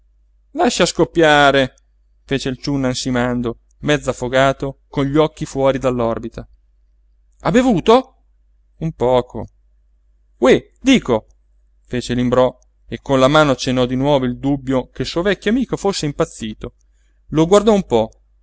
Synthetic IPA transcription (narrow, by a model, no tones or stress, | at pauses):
laʃːiaskopːjaːɾe | feːt͡ʃeilt͡ʃunːansimand̪o | mɛd̪zːafːoɡaːt̪okonʎːɔkːifwɔːɾid̪alːɔrbit̪a | abevuːt̪o | umpɔːkʰo̰ | we | d̪iːko | feːt͡ʃelimbɾɔ | ekːonlamaːnot͡ʃenɔd̪inwɔːvoild̪ubːjokesuːovɛkʲːjoamiːkofosːeimpat̪sːiːt̪o | loɡward̪ɔumpɔ